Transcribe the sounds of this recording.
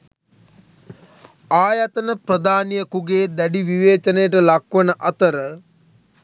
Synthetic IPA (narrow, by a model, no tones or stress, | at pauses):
aːjat̪ənəprəd̪aːnijəkuɡeːd̪æɖiʋiʋeːt͡ʃənəjəʈ̬əlɐkʋənəʔɐt̪əɾə